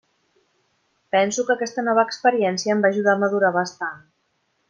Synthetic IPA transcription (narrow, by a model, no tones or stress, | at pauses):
pɛnsukəkɛst̪ənɔβ̞əkspəɾiɛnsiəːmbaːʒuð̞aməðuɾaβəst̪an